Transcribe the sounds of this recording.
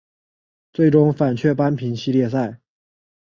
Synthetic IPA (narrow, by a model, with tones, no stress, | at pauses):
t͡swe˥˩ɪʈ͡ʂʊ˥ŋfa˨˩nt͡ɕʰɥɛ˥˩pa˥npʰi˧˥nɕi˥˧ljɛ˥˧s̬a˥˩ɪ